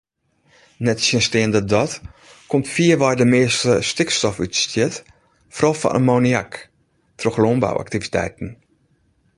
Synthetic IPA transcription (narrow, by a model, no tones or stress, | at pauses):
nɛtsənstɪəndədɔt | komtfiəʋɔjdəmɪəstəstɪkstɔfy̰tstjɪt | frɔfɔ̰ʔə̰moːniak | troxlomba̰wʔa̰ktivitʰɛ̰jtn̩